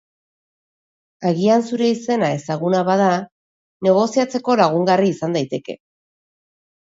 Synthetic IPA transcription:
aɣiansuɾe̞ise̞nae̞saɣ̞unaβaða | ne̞ɣ̞o̞siat͡se̞ko̞laɣ̞uŋɡariːsand̪ajt̪e̞ke̞̰

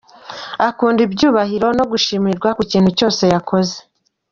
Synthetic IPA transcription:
akuːndibjuːβahiɾo̞no̞ɡuʃimiɾɡwakuciːnhuco̞ːse̞jakʰo̞ze̞

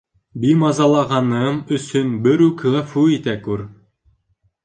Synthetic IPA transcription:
bimɑzɑlˠɑʁɑnɤmɵ̆sɵnbɘɾʉklˠæfʉit̪ækʉɾ

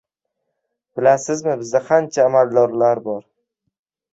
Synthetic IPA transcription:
b̥ɪlasɪzmɪbɪzd̪aqʰant͡ʃʰaːmald̪ɒɾlaɾbɒɾ

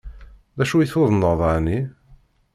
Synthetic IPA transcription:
ðæʃujiθʊðˤənːəðˤani

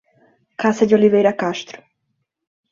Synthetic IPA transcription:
kasɐd͡ʒ̪ɪolivejɾɐkaʃt̪ɾʊ̥

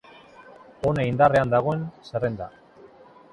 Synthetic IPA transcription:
o̞neind̪are̞and̪aɣ̞o̞e̞nserend̪a̰

